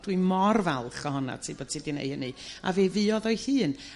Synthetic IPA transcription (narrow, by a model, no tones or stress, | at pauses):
d̥wimɔrvɛlˠχəhɔna̰tʰibɔd̥tʰidinḛjhənɨa̰veːvɨɔðɔɨhɨːn